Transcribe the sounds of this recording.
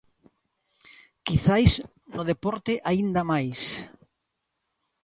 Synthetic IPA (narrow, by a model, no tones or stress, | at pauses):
kiθajs | nʊðepɔɾt̪ɪʔaind̪amajs